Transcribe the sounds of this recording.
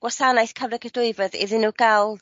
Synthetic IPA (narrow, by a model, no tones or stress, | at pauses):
wasanajθkʰavlɛkʰədʊɨvɛðḭðɪnuɡ̥alˠ